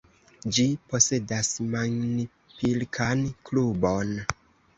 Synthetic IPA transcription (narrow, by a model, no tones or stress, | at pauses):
d͡ʒipo̞se̞dasmaŋni | pilkʰanklubon